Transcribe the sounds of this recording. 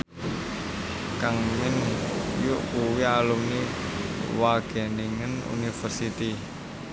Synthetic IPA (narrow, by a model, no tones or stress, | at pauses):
kaŋmɪnjʊʔkuwialumni | waɡ̥ɛ̤niŋənṵnifərsit̪i